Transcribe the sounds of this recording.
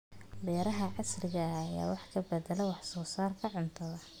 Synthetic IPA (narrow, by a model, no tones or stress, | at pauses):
bɛːɾɐɦɐʕɑsrɪɣɐːja̰ːwɑħkʰɐbɛd̪ɛlɛwɑħsɔːsaːrkʰɐʕʊnt̪ʰɐðɐ